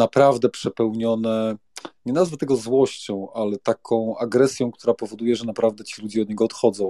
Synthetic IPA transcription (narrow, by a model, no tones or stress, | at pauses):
napɾavd̪ɛpʂɛpɛwɲɔnɛɲɛnazvɛt̪ɛɡɔzwɔɕt͡ɕɔ̃w̃ʔalɛt̪akʰɔ̃w̃aɡɾɛsʲjɔ̃w̃kt̪uɾapɔvɔd̪ujɛʐɛnapɾavd̪ɛt͡ɕilud͡ʑɛɔd̪̚ɲɛɡɔːt̪xɔd̪zɔ̃w̃